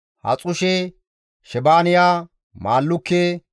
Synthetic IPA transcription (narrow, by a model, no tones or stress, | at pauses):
hɐ̰t͡sʼʊʃɛ | ʃɛbaːnɪjaː | maːlːʊkːe